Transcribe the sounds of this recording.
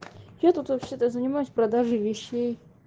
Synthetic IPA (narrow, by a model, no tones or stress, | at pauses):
jat̪ut̪vɐpɕʲet̪əzənʲɪmajʊsʲpɾɐd̪aʐɨvʲɪɕːej